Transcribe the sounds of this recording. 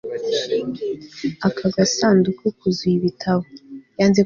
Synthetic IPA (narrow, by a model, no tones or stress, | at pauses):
akʰaɡasaːndukikuzwuiβitʰaβojaːnze